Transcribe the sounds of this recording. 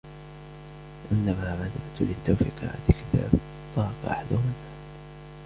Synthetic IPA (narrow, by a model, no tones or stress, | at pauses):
ʔɪnːamaːmad̪aʔt̪lɪt̪ːawfiqʕa̰t̪alkɪt̪ʰa̰ːb | t̪ˤːɑːqɑʔa̰ħad̪ahʊmɪnʔaː